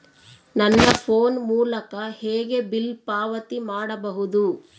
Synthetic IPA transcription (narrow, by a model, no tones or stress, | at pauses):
nɐnːɐpʰoːnmuːlɐkɐheːɡe̞bilpaːʋɐt̪imaːɽɐbɐɦud̪u